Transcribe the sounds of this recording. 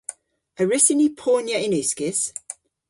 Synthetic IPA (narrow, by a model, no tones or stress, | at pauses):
əɹɪsɪnipʰoːnjəɪ̃nʉˑskɪs